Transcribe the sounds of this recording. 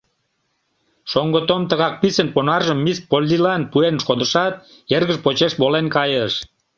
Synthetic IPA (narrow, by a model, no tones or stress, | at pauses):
ʃoŋɡət̪omt̪əɣɑk̚pisənponɑrʒəmːispolʲːilɑnpuenʃod̪əʃɑt̪̚ | erɣəʒpot͡ɕeʃbolenkɑjəʃ